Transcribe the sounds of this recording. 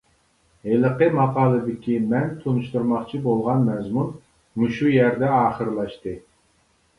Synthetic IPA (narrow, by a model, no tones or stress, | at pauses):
ɦeləqəmɑqɑːlˠɨd̪ɪkʲʰimɛnt̪ʰonuʃt̪uɾmɑχt͡ʃʰibolˠʁɑnmɛzmun | muʃujæɾd̪ɛɑːχəɾlˠɑʃt̪ɨ